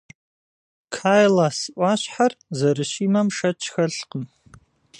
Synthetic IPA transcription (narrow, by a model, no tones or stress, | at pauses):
kʰaːjlaːsɨʔʷɑːɕħarzɐɾɨɕiːmɐmʂɐt͡ʃʰʼxɐɬqəm